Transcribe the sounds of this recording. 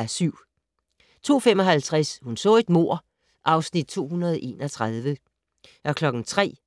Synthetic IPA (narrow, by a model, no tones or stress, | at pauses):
æsyʊ̰ | t͡sʰo̝̰ːfemɒ̽ɦælt͡sʰʁashunsɔ̰̽e̝d̥mo̝ɐ̰ | ʔɑ̈ʊsnid̥̚t͡sʰo̝̰ːɦunɐð̞ˠʔe̝ːnɒ̽t͡sʰʁað̞ˠʋə | ʔɒ̽kʰlɒ̽ɡ̥n̩t͡sʰʁɛ̰ː